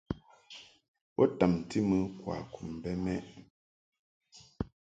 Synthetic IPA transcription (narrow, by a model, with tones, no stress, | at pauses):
pɔ˦ta˨mti˦mɨ˦kwa̰˨ku˨m˨bɛ˦mɛ˦ʔ